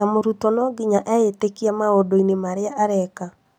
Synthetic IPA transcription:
amoɾutɔnɔɡiɲaʔɛetekiamaodoinemaɾeaʔaɾɛka

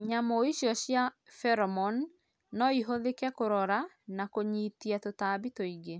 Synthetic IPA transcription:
ɲamɔiɕjɔɕjafɛɾɔmɔnː | ɔiɦoðekɛkoɾɔɾa | nakoɲitiatotaːbitoiɡe

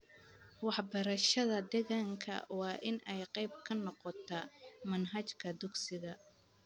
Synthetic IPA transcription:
wɑħbɐɾɐʃɐðɐd̪ɛɣaːŋkʰɐ̰wɑːʔɪnʔɛjqɑjb̚kʰɐnːɔqɔt̪ʰɐmɐnɦɐt͡ʃkʰɐd̪ʊɡsɪɣɐ

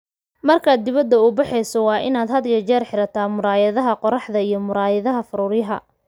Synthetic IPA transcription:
mɐrkʰaːd̪ːɪβɐd̪ːɐʊːbɑħɛjsɔwɑːʔɪnaːd̪ɦɐd̪ɡɐt͡ʃɛːrħɪɾɐt̪ʰaːmʊɾaːjɐðɐɦɐqɔɾɑħðɐijɞmʊɾaːjɐðɐɦɐfʊɾʊːrjɐɦɐ̰

